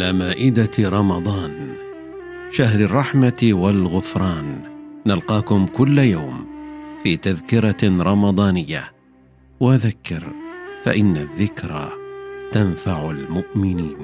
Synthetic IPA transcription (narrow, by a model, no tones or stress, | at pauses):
ʔalaːmaːʔɪd̪aɾˤɑmɑd̪ˤɑːn | ʃaɦɾɪrˤːɑħmawalɣʊfɾˤɑːnːalqɑːkʊmkʊlːjawmfiːt̪aðkɪɾˤɑɾˤɑmɑd̪ˤɑːnɪjːa̰ | waðakːɪɾfa̰ʔɪnːaðːɪkɾˤat̪anfaʕʊlmʊʔmɪniːn